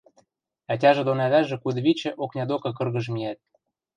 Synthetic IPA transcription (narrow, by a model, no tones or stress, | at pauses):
æt̬ʲɑʒĕd̪onæðæʒĕkud̪βit͡ɕɘ̆ʔoknʲɑd̪okɤk̬ɤ̆rɣə̆ʒmiæt̪̚